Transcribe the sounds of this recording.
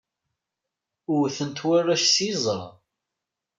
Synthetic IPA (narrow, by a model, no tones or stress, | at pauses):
ʊɾθənt̪wærːæʃsizˤəɾˤ